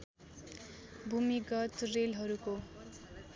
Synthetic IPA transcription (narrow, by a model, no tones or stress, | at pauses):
bʱumiɡʌt̪relɦʌɾuko